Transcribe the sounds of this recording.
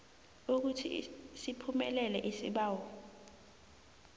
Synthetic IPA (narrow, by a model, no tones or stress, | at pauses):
uk̬utʰḭsipʰumɛlɛlɛʔisḭɓaːwɔ